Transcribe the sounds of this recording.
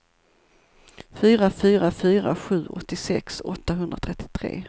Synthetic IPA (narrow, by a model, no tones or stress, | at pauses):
fyːɾafyːɾafyːɾa̰ɧʉ̟ːʔɔ̰t̪ːɪsɛ̰ksɔt̪ːaɦɵnd̪ɾat̪ʰɾɛt̪ʰːɪ̥t̪ʰɾḛː